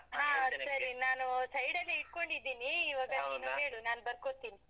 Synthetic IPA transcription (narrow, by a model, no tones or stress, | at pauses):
ɦaːsɐɾinaːnusɐjɽɐlːiːʈ̚ko̞ɳɖid̪ːiːniːʋaːɡɐniːnuɦe̞ːɭunaːnbɐɾkot̪ːiːni